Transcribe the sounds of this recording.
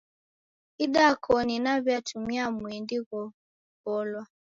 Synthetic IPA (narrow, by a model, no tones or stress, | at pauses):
iɗakʰɔninaβjatʰumiamwɛndiɣɔ | pɔlwa